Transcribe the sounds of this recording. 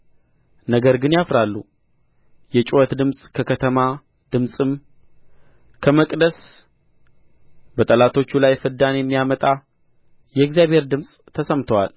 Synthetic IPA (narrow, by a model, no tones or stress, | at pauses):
nəɡəɾɡɨnjafɾalːu | jɛt͡ʃʼwɔt̪d̪ɨmsʼkʰəkʰət̪ʰəma | d̪ɨmsʼɨm | kʰəməkʼd̪əs | bət̪ʼəlat̪ʰo̞t͡ʃːulajfɨd̪ːanjɛmːijamət̪ʼa | jɛɪɡzijaβhe̞ɾd̪ɨmsʼt̪ʰəsəmt̪ʰəwal